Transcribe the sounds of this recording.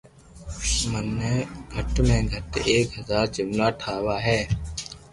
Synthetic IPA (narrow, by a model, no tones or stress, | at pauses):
mənːeːɡʱəʈmẽːɡʱəʈeːkɦəzaːɾt͡ʃɪmlaːʈʰaːʋaːɦɛː